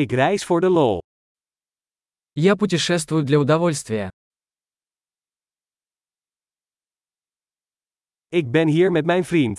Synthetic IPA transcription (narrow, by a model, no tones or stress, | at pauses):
ɪkrɛjsfʊːɹdəloː | japʊt̬ʲɪʂɛs̬t̪vʊjʊd̪lʲɐʊd̪ɐvolʲst̪vʲɪjə̰ | ɪɡ̚bɛnɦiːɹmɛtmɛjnfrint